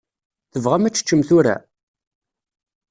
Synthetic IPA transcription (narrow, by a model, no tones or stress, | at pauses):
θəvʁamæt͡sːt͡ʃːəmθʊɾæ̰